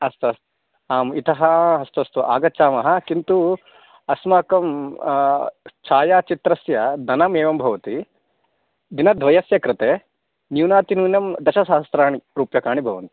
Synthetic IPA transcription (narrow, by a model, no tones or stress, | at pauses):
ɐst̪ɐs | aːmit̪ɐɦɐɐst̪uɐst̪uʔa̰ːɡɐt͡ʃaːmɐɦɐ̆kint̪u | ɐsmaːkɐm | t͡ʃʰaːjaːt͡ʃit̪ɾɐsjɐd̪ɐnameːʋɐmbʱɐʋɐt̪i | d̪inɐd̪ʱʋɐjɐsjɐkɾɪt̪eː | njuːnaːt̪inuːnjɐmd̪ɐʃɐsaːst̪ɾaːɳiɾuːpjɐkaːɳibʱɐʋɐnt̪ii̥